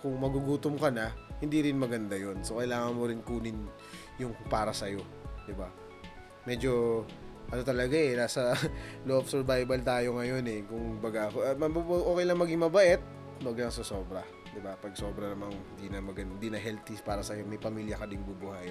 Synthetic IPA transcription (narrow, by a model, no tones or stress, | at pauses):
kʊŋmɐɡuɡuːt̪ʊmkɐnɐhɪnd̪iɾɪnmɐɡɐnd̪ajo̞nsokɐjlaːŋɐnmoɾɪnkuːnɪn | jʊŋpaːɾɐsɐjo̞ | d̪ɪba | mɛd͡ʒo̞ | ʔɐno̞t̪ɐlɐɡaʔɛnaːsɐloʔofsɛɹbajbɐlt̪aːjo̞ŋɐjo̞nɛkʊŋbɐɡakmɐbʔoːkɛjlɐŋmɐɡɪŋmɐbɐʔɛt̪̚ | nʊɐɡlɐŋsɐso̞ːbɾɐ | d̪ɪbapɐɡ̚so̞ːbɾɐnɐmaŋhɪnd̪inɐmɐɡɐɪnd̪iːnɐɦɛlt̪ipaːɾɐsɐjo̞mɐjpɐmiːljɐkɐd̪ɪŋbubʊhaj